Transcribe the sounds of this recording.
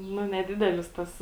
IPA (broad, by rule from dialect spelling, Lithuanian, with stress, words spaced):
ˈnʊ nʲɛˈdʲɪdʲɛlʲɪs tɐs